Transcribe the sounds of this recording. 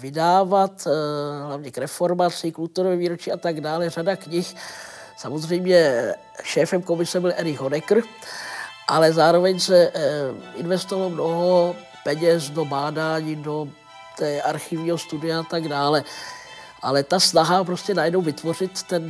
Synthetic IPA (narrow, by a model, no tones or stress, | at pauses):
vɪdaːvat̪ɦlavɲɛkɾɛfo̞ɾmat͡sɪkult̪uɾovɛviːɾot͡ʃiːʔat̪aɡdaːlɛr̝adakɲɪx | samozrɛjmɲɛ | ʃɛːfɛmko̞mɪsɛbɪlʔɛɾɪɣɦonɛkr̩ | ʔalɛzaːɾo̞vɛɲsɛ | ʔɪ̰nvɛst̪ovalomnoɦo̞ | pɛɲɛsdo̞baːdaːɲiːdo̞ | t̪ɛːʔaɾxɪvɲiːɦost̪udɪjaat̪aɡdaːlɛ | ʔa̰lɛt̪asnaɦapɾo̞scɛnajɛdnowvɪt̪vo̞r̝ɪt̪ːɛn